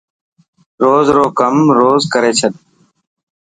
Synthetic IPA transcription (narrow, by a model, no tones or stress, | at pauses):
ɾoːzɾoːkəmɾoːzkəɾeːt͡ʃʰət̪̚